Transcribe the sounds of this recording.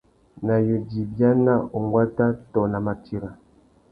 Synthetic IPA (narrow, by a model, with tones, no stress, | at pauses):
na˨jo˨di˨bja˦na˦o˨ŋɡwa˦ta˦tɔ˨na˨ma˨tʰi˦ɾa˨